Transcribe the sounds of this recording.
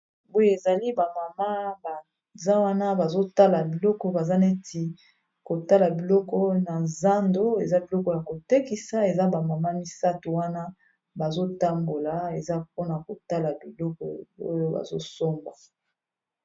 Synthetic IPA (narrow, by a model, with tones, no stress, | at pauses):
bo˦je˦e˨za˨li˦ba˨ma˨ma˦ba˨ | za˦wa˦na˦ba˨zo˦ta˦la˨bi˨lɔ˦kɔ˦ba˨za˦ne˦ti˨ | ko˨ta˦la˨bi˨lɔ˦kɔ˦na˨za˦ndo˦e˨za˦bi˨lɔ˦kɔ˨ja˨ko˨te˦ki˨sa˦e˨za˦ba˨ma˨ma˦mi˦sa˦tu˨wa˦na˦ | ba˨zo˦ta˦mbo˨la˨e˨za˦p̚o˦na˨ko˨ta˦la˨bi˨lɔ˦kɔ̰˨o̰˦jo˦ba̰˨zo̰˦so˦mɡwa˨